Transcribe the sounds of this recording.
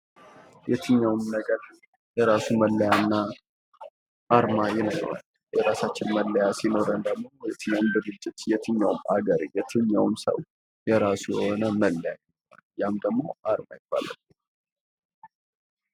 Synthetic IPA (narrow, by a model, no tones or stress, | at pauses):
jɛt̪ʰɨɲːawmnəɡəɾ | jɛɾasuməlːəjanːa | ʔaɾmajɪnə̰ɾa̰l | jɛɾasat͡ʃːɪnməlːəjasino̞ɾənd̪əɡmo̞jɛt̪ʰɨɲːawumd̪ɨɡɨd͡ʒːɪt̪jɛt̪ʰɨɲːawʊma̰ɡəɾjɛt̪ʰɨɲːawmsə̰w | jɛɾasujɛho̞nəməlːəjajɪnəa̰ljamd̪əɡmːo̞̰ʔaɾma̰jɪb̥ːa̰la̰l